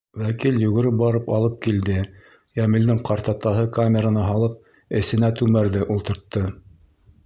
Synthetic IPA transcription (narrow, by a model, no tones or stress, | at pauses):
wækiljuɣɘ̆ɾɘp̚bɑɾɤpɑlˠɤp̚kild̪ɘ | jæmɘ̆ld̪ɘŋqɑɾt̪ɑt̪ɑɦɤkamʲeɾanɑɦɑlˠɤp̚ | ɘ̆sɘ̆næt̪ʉmæɾðɘʔulˠt̪ɤ̆ɾt̪ːɤ